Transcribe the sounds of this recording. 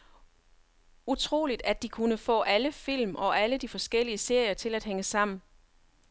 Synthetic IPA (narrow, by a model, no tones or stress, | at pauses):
ut͡sʰʁo̝̰ːlid̥æd̥ikʰunəfɔ̰̽ːʔæləfil̰mʔɒ̽ʔæləd̥ifɒ̽sɡ̥el̰iəse̝ɐ̰jɐt͡sʰe̝læd̥ɦeŋəsɑ̈m̰n̩